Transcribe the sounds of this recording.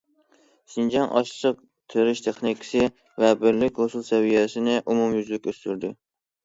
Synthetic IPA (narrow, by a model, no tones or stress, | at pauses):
sɨnd͡ʒɑnʔɑ̰ʃˠɨʃʰɨq̚ | t̪ʰøɾɪʃt̪ʰeχnikʲʰɪ̥sɪ | vɛbɪɾlɪkʲʁosulˠsɛvijɛsɪnɪʔumumjyzlɪkʲøst̪yɾd̪ɪ